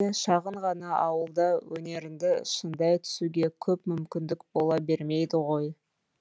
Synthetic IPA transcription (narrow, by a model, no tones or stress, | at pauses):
eʃɑʁəɴʁɑnɑɑwəlˠd̪ɑwɵne̞ɾɪnd̪ɪʃənd̪ɑjt̪ʰʏ̥suɡʲe̞kʲʰɵpmʏmkʲɪnd̪ɪkbo̞lˠɑbe̞ɾme̞jd̪ɪʁo̞j